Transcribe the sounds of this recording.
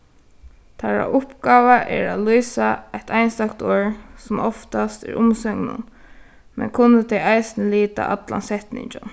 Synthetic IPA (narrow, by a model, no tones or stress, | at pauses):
t̪ʰaɹa̰ʔʊpɡaːʋaʔɛɹalujsaajt̪ʰajnst̪akt̪oːɹsʊmɔft̪ast̪ɛɹʊmsœŋnʊ̰n | mɛ̰nkʰʊnːət̪ʰɛjajsɪnɪliːt̪a̰ʔat̪la̰nsɛht̪nɪ̰ɲt͡ʃan